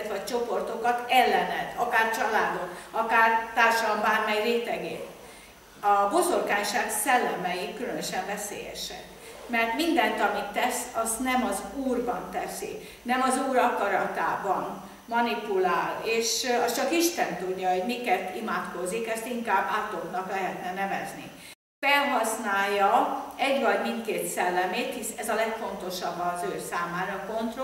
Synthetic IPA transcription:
t̪ʋɒc̚t͡ʃo̞po̞rt̪o̞kɒt̪ɛlːɛnɛt̪ʰɒkaːrt͡ʃɒlaːd̪o̞kɒkaːrt̪aːrʃɒlɒmbaːrmɛjreːt̪ɛɡḛːt̪ | ɒbo̞zo̞rkaːɲʃaːksɛlːɛmɛjikːylønøʃɛɱvɛsḛːjɛ̰ʃɛ̰k | mɛrt̪mind̪ɛnt̪ɒmit̪ːɛsɒst̪nɛmɒzuːrbɒnt̪ɛsḭ | nɛmɒzuːɾɒkɒɾɒt̪a̰ːbɒn | mɒnipulaːleːʃɒst͡ʃɒkiʃt̪ɛnt̪uɟːɒɦo̞ɟmikɛt̪imaːt̪ko̞zikɛst̪iŋkaːbːaːt̪oknɒklɛɦɛt̪nɛnɛvɛznḭ | fɛlɦɒsnaːjːɒɛɟʋɒɟmint̪keːt̪sɛlːɛmeːt̪hisɛzɒlɛkfo̞nt̪o̞ʃɒbːɒːzøːsaːmaːɾɒko̞nt̪ro

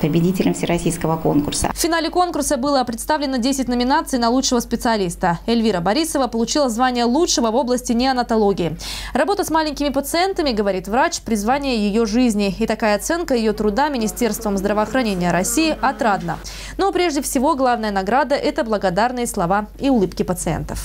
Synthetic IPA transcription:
pəbʲɪdʲitʲɪlʲɪmfsʲɪɾɐsʲijskəvəko̞̰nkʊrsə̰fːʲɪnalʲɪko̞nkʊrsəbɨlˠəpɾʲɪt̪st̪avlʲɪnədʲesʲɪtʲnəmʲɪnat̪sɨjnɐlˠut͡ʂʂɨvəspʲɪt̪sɨɐlʲist̪əɪlʲvʲiɾəbɐɾʲisəvəpəlˠʊt͡ɕilˠəzvanʲɪjəlˠutʂɨvəvo̞blˠəsʲtʲɪnʲɪɐnət̪ɐlˠoɡʲɪɪrɐbo̞t̪əsmalʲɪnʲkʲɪmʲɪpət̪sɨɛnt̪əmʲɪɡəvɐɾʲit̪vɾat͡ɕpɾʲɪzvanʲɪjəjɪjo̞ʐɨzʲnʲɪɪt̪ɐkajəɐt̪sɛnkəjɪjo̞t̪ɾʊd̪amʲɪnʲɪsʲtʲe̞rst̪vəmzd̪ɾəvəːɐxɾɐnʲenʲɪjəɾɐsʲijɪʔɐt̪ɾad̪nə̰ | no̞pɾʲe̞ʐdʲɪfsʲɪvo̞ɡlˠavnəjənɐɡɾad̪əʔɛt̪əblˠəɡɐd̪arnɨjəslˠɐvaiʊlˠɨpkʲɪpət̪sɨḛnt̪ə̥̰f

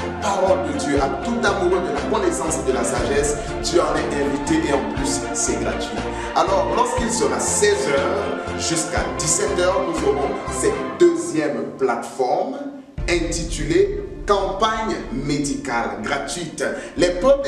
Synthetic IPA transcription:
paʁɔld̪əd̪jøʔat̪ut̪amuʁød̪əlakɔnesɑ̃sd̪əlasaʒɛs | t̪yaʁɛʔɛ̃vit̪eʔeɑ̃plysː | ɛɡʁat̪ɥi | alɔʁlɔʁskilsəʁasɛzœʁʒyska̰d̪isɛt̪œʁnuzoʁɔ̃sɛt̪̚d̪øzjɛmplat̪fɔʁm | ɛ̃t̪it̪ylekɑ̃paɲmed̪ikalɡʁat̪ɥit̪lɛpɔ

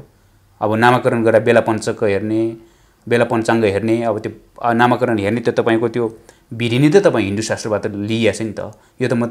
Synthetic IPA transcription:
ʌbʌnamakʌɾʌnɡʌɾabelapʌnt͡sʌkːʌɦerne | belapʌnt͡saŋɡʌɦerneʌbʌt̪jo | namakʌɾʌnɦernet̪jot̪ʌpaĩkot̪jo | biɾinit̪ʌt̪ʌpaĩɦiɳɖusasʈrʌbat̪ʌlijat͡sʰʌnit̪ʌ̰ | jot̪ʌmʌ

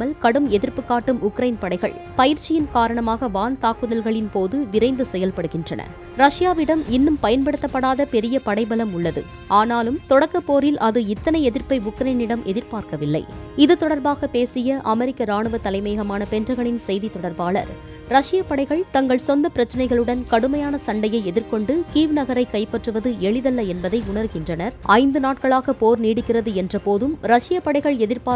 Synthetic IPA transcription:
ɐlkɐɽɯmɛðɪɾpɯkːaːʈːɯmʊkɾɐɪnpɐɽɐɪɣɐ̰ɭpɐjɪɾt͡ʃːɪjɪnkaːɾɐɳɐmaːɣɐʋaːnt̪aːkːɯðɐlɣɐɭɪnpoːðɯʋɪɾɐɪnd̪ɯsɛjɐlpɐɽɯɣɪndrɐnɐ̰ | ɾɐʂɪjaːʋɪɽɐmɪnːɯmpɐjɐnpɐɽɯt̪ːɐpːɐɽaːðɐpɛɾɪjɐpɐɽɐɪbɐlɐmʊɭːɐðɯ̰ | ʔaːnaːlɯmt̪ɔɽɐkːɐpːoːɾɪlʔɐðɯɪt̪ːɐnɐɪɛðɪɾpɐɪʊkɾɐjnɪɽɐmʔɛðɪɾpaːɾkɐʋɪlːɐ̰ɪɪðɯt̪ɔɽɐɾbaːɣɐpeːsɪjɐʔɐmɛɾɪkːɐɾaːɳɯʋɐt̪ːɐlɐɪmeːɣɐmaːnɐpɛndrɐɣɐɳɪnsɛjðit̪ɔɽɐɾbaːlɐ̰ɾ | ɾɐʂɪjɐpːɐɽɐɪɣɐɭt̪ɐŋɡɐɭsɔnd̪ɐpɪɾɐt͡ʃːɐnɐɪɣɐɭɯɽɐnkɐɽɯmɐjaːnɐsɐɳɖɐjɐɪɛðɪɾkɔɳɖɯkiːʋnɐɣɐɾɐɪkːɐɪpːɐʈrɯʋɐðɯɛɭɪðɐlːɐɛnbɐðɐɪʊɳɐɾɣɪndrɐnɐɾʔɐɪnd̪ɯnaːʈ̚kɐɭaːɣɐpoːɾniːɽɯkːɪrɐðɯɛndrɐpoːðɯmɾɐʂɪjɐpːɐɽɐɪɣɐɭɛðɪɾpaː

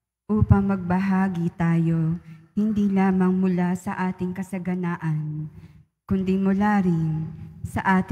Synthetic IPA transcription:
ʔuːpɐŋmɐɡ̚bɐɦaːɡit̪aːjohɪnd̪ilaːmɐŋmʊlasɐʔaːt̪ɪŋkɐsɐɡɐnaːʔɐn | kʊnd̪imʊlaːɾɪnsɐʔaːt̪

